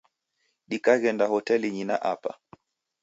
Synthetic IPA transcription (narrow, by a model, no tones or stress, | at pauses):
ɗikaɣɛndahɔtɛliɲinaʔapa̰